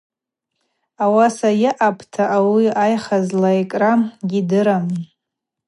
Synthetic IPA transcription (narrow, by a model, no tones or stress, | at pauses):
awasajɪʔapʰtʰaʔawiajχazlaikʼramɡʲidɨɾam